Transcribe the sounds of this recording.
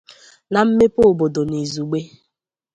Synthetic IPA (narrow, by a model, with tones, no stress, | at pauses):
na˨m̩˦me˦po˦o˨bo˨do˨ni˨zu˨ɡ͡be˦